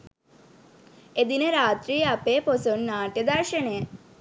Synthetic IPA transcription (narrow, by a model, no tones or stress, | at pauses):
ed̪inəɾaːt̪ɾijəapeposonːaːʈjəd̪arʃəɳejə